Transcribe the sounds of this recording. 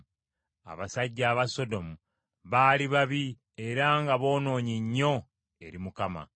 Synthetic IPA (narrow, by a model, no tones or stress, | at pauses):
a̰βasaɟːaːβaso̞do̞mu | βaːliβaβi | e̞ɾaŋɡaβo̞ːno̞ːɲiɲːo̞ | e̞ɾimukama̰